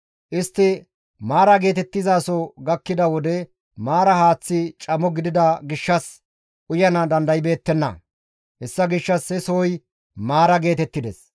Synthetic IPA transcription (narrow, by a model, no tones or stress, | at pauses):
ʔɪst̪ːɪ | maːɾɐɡe̞ːt̪ɛt̪ːɪzaːsɔɡɐkːɪd̪ɐwɔd̪ɛ | maːɾɐhaːt͡sːɪt͡ʃʼɐmɔɡɪd̪ɪd̪ɐɡɪʃːɐs | ʔʊjɐnɐd̪ɐnd̪ɐjɪbe̞ːt̪ːɛnːɐ̰ | hɛsːɐɡɪʃːɐsɛsoːj | maːɾɐɡe̞ːt̪ɛt̪ːɪd̪ɛs